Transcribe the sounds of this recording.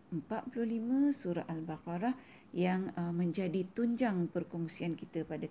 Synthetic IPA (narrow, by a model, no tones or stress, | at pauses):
əmpat̪̚puluhlimə̃suɾa̰ʔ̪albakaɾah | jaŋəmə̃ɲd͡ʒadit̪uɲd͡ʒaŋpərkɔŋsiankit̪əpada